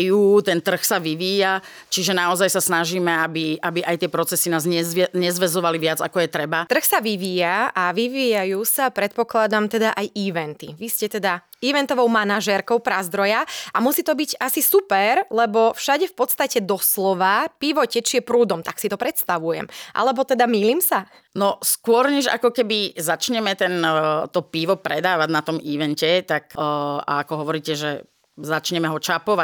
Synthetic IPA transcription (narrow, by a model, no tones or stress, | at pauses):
juːt̪ɛnt̪r̩xsaʋiʋiːja | t͡ʃiʒɛnaɔzajsasnaʒiːmɛabiabiʔajt̪ɪɛpɾɔt͡sɛsinaːzɲɛɲɛzʋɛzɔʋaliʋɪad͡za̰kɔjɛt̪ɾɛbat̪r̩xsaʋiʋiːjaʔaʋiʋiːjajuːsapɾɛt̪̚pɔklad̪amt̪ɛd̪aʔajiʋɛnt̪iʋiscɛt̪ɛd̪a | iʋɛnt̪ɔʋɔʊmanaʒɛɾkɔʊpɾazd̪ɾɔjaʔamusiːt̪ɔbiɟasisupɛɾlɛbɔfʃaɟɛfpɔt̪st̪acɛd̪ɔslɔʋapiʋɔcɛt͡ʃiɛpɾuːd̪ɔmt̪aksit̪ɔpɾɛt̪st̪aʋujɛ̰mʔa̰lɛbɔt̪ɛd̪amiliːmsa | nɔskʊɔɾɲɛʒa̰kɔkɛbizat͡ʃɲɛmɛt̪ɛnt̪ɔpiʋɔpɾɛd̪aːʋaɟnat̪ɔmiːʋɛncɛt̪aka̰akɔɦɔʋɔɾiːcɛʒɛ | zat͡ʃɲɛmɛɦɔt͡ʃapɔʋa